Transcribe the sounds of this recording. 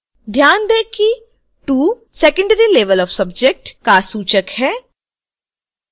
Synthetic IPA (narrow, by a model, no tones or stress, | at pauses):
d̪ʱjaːnd̪eːki | ʈuː | sɛːkə̃ɳɖɾileːʋəlɔʋsɐbd͡ʒek̚ʈkasuːt͡ʃəkhɛː